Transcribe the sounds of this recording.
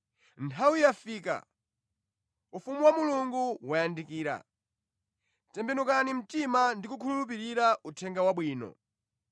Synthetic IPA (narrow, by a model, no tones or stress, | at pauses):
ntʰawijafiːka̰ | ufumuwamuluŋɡuwajandikiːɾa̰ | tɛmbɛnukanim̩timandikukʰululup̬iɾiɾaʔutʰɛŋɡawaɓwiːnɔ̰